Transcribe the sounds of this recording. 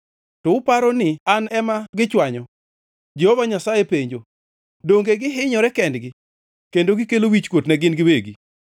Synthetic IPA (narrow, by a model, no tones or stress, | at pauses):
tɔʊpaɾɔnɪanɛmaɡɪt͡ʃwaɲɔ | d͡ʒehovaɲasajepeɲd͡ʒo | doŋɡeɡɪɦɪɲɔɾɛkɛndɡɪ | kendoɡɪkelowit͡ʃkwotnɛɡɪnɡɪweɡi